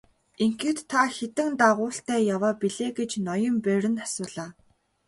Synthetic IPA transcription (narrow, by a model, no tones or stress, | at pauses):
eŋxɘ̆t̪ʰːaxet̪ɘ̆ŋt̪aʁʊːɬt̪æːjawaːpiɮeːɡet͡ɕnɔjɞ̆mpæɾʲɘ̆nasʊːɮaː